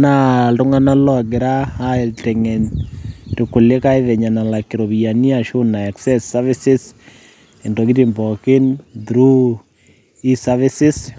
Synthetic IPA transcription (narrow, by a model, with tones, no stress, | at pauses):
na˦ltʊ˦ŋa˦na˦lɔ˦˨ɡɪ˨ɾaː˦tɛŋɛnri˨kʊ˨le˦ka˦ɪðɛ˨ɲa˨na˨la˨kːɪ˨ɾo˨bijani˦aʃu˦na˨ɛ˨ksɛsavɪ˦sɪs | ɛ˨ndɔ˨ɡɪ˦timbɔ˨kɪ˦ndɾu˦ | isavɪsɪs